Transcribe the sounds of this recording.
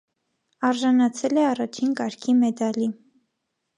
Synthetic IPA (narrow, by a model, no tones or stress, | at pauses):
ɑɾʒɑnɑt͡sʰɛlɛɑrɑt͡ʃʰinkɑɾkʰimɛd̪ɑli